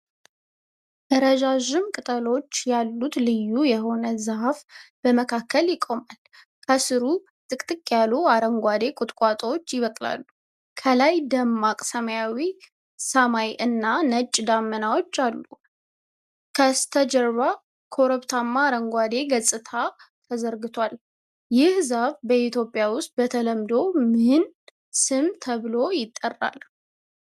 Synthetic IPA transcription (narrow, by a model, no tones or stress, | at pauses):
dəɾəʒaʒɪmkʼɨt̪ʼəlo̞t͡ʃːjalːut̪lɨjːujɛɦo̞nəzɨɦafb̥əməkʰakːəljɪkʼo̞mal | kʰəsɨɾu | t̪ʼɨkʼt̪ʼɨkʼːjaluaɾəŋɡʷad̪ekʼʊt̪ʼkʼat̪ʼəwot͡ʃːjɪβəkʼla̰lːu | kʰəlajd̪əmːakʼsəməjawi | səmajʔɨnːanət͡ʃʼːd̪amːənawo̞t͡ʃːalːu | kʰəst̪ʰəd͡ʒəɾβa | kʰo̞ɾəpt̪ʰamːaːɾəŋɡʷad̪e̞ɡəsʼɨt̪ʰat̪ʰəzəɾɡɨt̪ʰwal | jɪhzaβbəit̪ʰjo̞pʼjawʊst̪̚bət̪ʰələmd̪o̞mɨn | sɨmt̪ʰəβɨlo̞jɪt̪ʼːərːa̰l